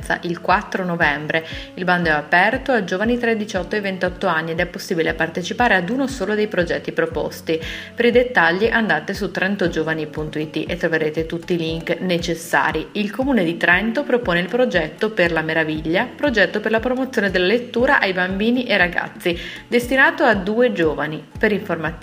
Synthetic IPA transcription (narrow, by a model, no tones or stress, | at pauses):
t̪sa̰ʔilkwat̪ːɾonovɛmbɾeilband̪oɛapɛrt̪oad͡ʒoːvanit̪ɾed̪it͡ʃɔt̪ːoevent̪ɔt̪ːoanːied̪ɛpːosːiːbileapart̪et͡ʃipaːɾead̪uːnosoːlod̪ejpɾod͡ʒɛt̪ːipɾopɔ̰st̪ipeɾid̪et̪ːaʎːiʔand̪aːt̪esut̪ːɾɛnt̪od͡ʒoːvanipunt̪oit̪ːiʔet̪ːɾoveɾeːt̪et̪ut̪ːiːliŋknet͡ʃesːa̰ːɾiilkomuːned̪it̪ɾɛnt̪opɾopoːneilpɾod͡ʒɛt̪ːoperlameɾaviʎːapɾod͡ʒɛt̪ːoperlapɾomot̪sʲːjoːned̪elːalet̪ːuːɾaʔajbambiːniʔeraɡa̰t̪sːid̪est̪inaːt̪oad̪uːed͡ʒoːvanipeɾiɱforma